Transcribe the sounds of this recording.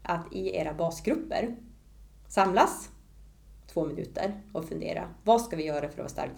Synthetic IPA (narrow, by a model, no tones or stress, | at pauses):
ʔat̪ʰɪeːɾabɑːsɡɾɵpːə̰ɾ | samlas | t̪ʰvoːmɪnʉ̟̰ːt̪ʰə̰ɾɔfɵnd̪ḛːɾa̰vaskavɪjœːɾafœɾɔ̰va̰ːst̪a̰ɾk̚t̪